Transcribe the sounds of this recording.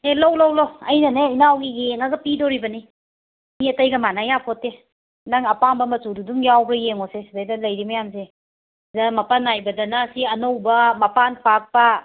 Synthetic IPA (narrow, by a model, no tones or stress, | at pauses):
elowlowlowɐjnɐneinawɡijeŋaɡɐpidɔɾibɐni | miɐtɐjɡɐmanajapʰɔtːe | naŋɐpambɐmɐtududuŋjawbɾɐjeŋosesibejdɐlɐjɾimɐjamse | zamɐpanajbɐdɐnasiɐnowbɐmɐpanpak̚pa